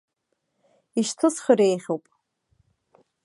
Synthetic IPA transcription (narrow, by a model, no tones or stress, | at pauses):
iʃtʰɨsχəɾejχʲowpʼ